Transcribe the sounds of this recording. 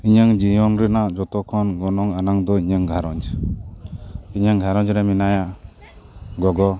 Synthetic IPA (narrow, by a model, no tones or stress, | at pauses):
iɲəŋd͡ʒijɔnɾɯnad͡ʒɔt̪ɔkʰɔnɡɔnɔŋanaŋd̪ɔiɲaŋɡʱaɾɔnd͡ʒ | iɲəŋɡʱaɾɔnd͡ʒɾaminaja | ɡɔɡɔ